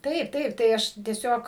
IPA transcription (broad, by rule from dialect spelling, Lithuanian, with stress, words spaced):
ˈtɐɪp ˈtɐɪp tɐɪ ˈɐʃ tʲiɛˈsʲoːk